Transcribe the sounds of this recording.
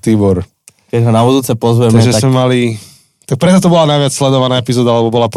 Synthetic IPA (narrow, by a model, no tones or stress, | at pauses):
t̪iːbɔɾ | kɛɟɦɔnabud̪uːt͡sɛpɔzʋɛtmaɛʒɛzamɛmali | t̪ak̚pɾɛt͡sat̪ɔbɔlanajʋɪat͡sslɛd̪ɔʋanaːɛpizɔːd̪aalɛbɔbɔlap